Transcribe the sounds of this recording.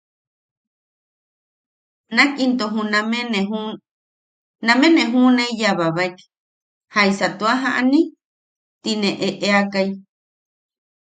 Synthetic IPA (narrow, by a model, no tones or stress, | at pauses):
nakint̪oɦũnameneɦu | nameneɦuneijaβaβajk | hajsat̪uaɦaʔani | t̪inẽʔeʔeakaj